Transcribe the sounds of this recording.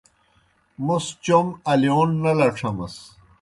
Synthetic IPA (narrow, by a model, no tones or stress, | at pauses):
must͡ɕomɐlijoːnːɐlɐʈ͡ʂʰɐmɐ̰s